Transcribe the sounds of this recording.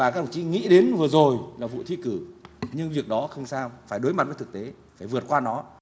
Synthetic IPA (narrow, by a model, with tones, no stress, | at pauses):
aː˨˩kaː˦˥k̚t̪ə˨˩ŋ͡mt͡ɕi˨˦ŋḭ˧˥ɗe˨˦nvɨ˨˩əzo˨˩jlaː˨˩vṵ˧˨t̪ʰi˧˥kɨ˧˩ɲɨ˧ŋvi˨˩ək̚ɗɔ˨˦xə˧wŋ͡msaː˧wfaː˧˩jɗo˨˦jma˨˩t̚vəː˨˦jt̪ɨ˨˩k̚t̪e˨˦ | faː˧˩jvɨ˨˩ət̚kwaː˧nɔ˨˦